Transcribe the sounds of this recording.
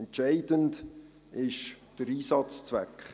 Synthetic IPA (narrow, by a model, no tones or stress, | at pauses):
ɛnt͡ʃæɪdənd | ɪʃd̥əɾiːsɑt͡st͡svɛkχ